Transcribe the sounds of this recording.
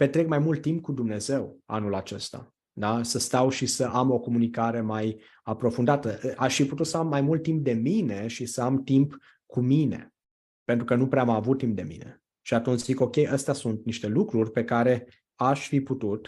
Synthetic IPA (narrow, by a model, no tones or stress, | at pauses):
pe̞t̪ɾekmajmult̪ːimp̚kud̪umne̞ze̞wa̰nulat͡ʃe̞st̪a̰ | d̪asəst̪awʃisəʔamo̞ko̞munikaɾe̞maj | apɾo̞fund̪at̪əaʃfiput̪ut̪səamːajmult̪ːimp̚d̪e̞mine̞ʃisəamt̪imp | kumine̞̰ | pent̪ɾukənupɾeamavut̪ːimp̚d̪e̞mḭne̞̰ | ʃiat̪unt͡ʃziko̞kʲe̞jʔəst̪easunt̪niʃt̪e̞lukɾurʲpe̞kaɾe̞ | aʃfiput̪ut̪